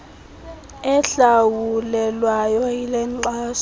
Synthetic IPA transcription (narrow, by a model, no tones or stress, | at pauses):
ɛɬawulɛlwajɔilɛǀaːs